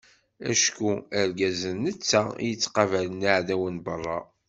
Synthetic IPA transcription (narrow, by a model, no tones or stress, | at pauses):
æ̰ʃkuæɾɡæzənːət͡sːæḭjət͡sːqɑvælənaʕðæwənbərˤːɑ